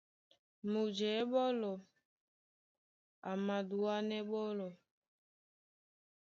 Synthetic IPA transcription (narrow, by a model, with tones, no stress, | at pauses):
mu˨d͡ʒɛ˨˦ɓɔ˦lɔ˨ | a˨mã˨du˨wa˦nɛ˦ɓɔ˦lɔ˨